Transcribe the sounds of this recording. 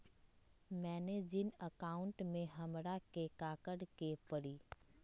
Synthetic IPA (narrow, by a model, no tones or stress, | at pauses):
mɛ̃ːned͡ʒɪnəkaːʊ̃ɳʈmẽɦɐmɾakekaːkəɽkepəɽiː